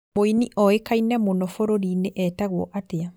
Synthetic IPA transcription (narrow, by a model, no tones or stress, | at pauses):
moiniʔɔekainɛmonɔfoɾoɾiːneʔɛtaɣwɔʔatea